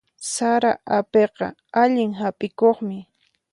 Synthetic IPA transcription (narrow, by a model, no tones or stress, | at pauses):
saɾaʔapeqɑ̰ | aʎɪŋɦapʼɪkoχmɪ